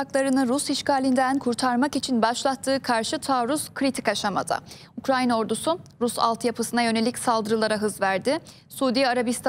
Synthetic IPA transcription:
aklˠaɾɯnɯɾusiʃkaːlʲind̪ænkʰuɾt̪ʰaɾmakit͡ʃʰinbaʃlˠat̪ʰːɯːkʰaɾʃɯt̪ʰaːɾusz̥kʰɾit̪ʰikaʃama̰d̪a̰ | ukɾajino̞ɾd̪usuɾusa̰lˠt̪ʰjapʰɯsɯnajø̞ne̞lʲicsalˠd̪ɯɾɯlˠaɾaɦɯzvæɾd̪ɪ | suːd̪ijaɾabist̪ʰ

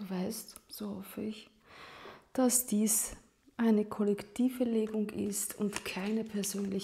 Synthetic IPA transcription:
d̥uːvaɪstz̥oːhɔfəɪç | d̥asd̥iːs | ʔaɪnəkʰɔlɛktʰiːfəleːɡʊŋɪ̰stʰʊntkʰaɪnəpʰɛɐzøːnlɪç

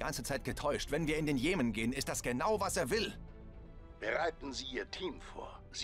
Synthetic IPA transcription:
ant͡sət͡saɪt̚ɡ̥ətʰɔʏʃtv̥ɛnviːɐɪndeːnjeːmənɡeːənɪstd̥asɡ̥ənaʊvaseːɐvɪl | b̥əʁaɪtn̩ziːʔiːɐtʰiːmfo̰ːɐ | z

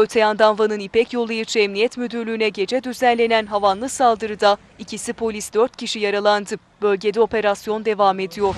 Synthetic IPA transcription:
øt̪ʰejand̪anvanɯnipɛcjo̞lˠajɯt͡ʃʰaɛmnijɛt̪myd̪yɾlʲyːnɛɟe̞d͡ʒɛd̪yzænlʲe̞nænɦavanlˠɯsalˠd̪ɯɾɯd̪a | icʰisipʰo̞lʲisd̪øɾt̪̚cʰiʃijaɾalˠand̪ɯ | bø̞lʲɟe̞d̪ɛo̞pe̞ɾasjo̞nd̪e̞vame̞d̪ijo̞ɾ

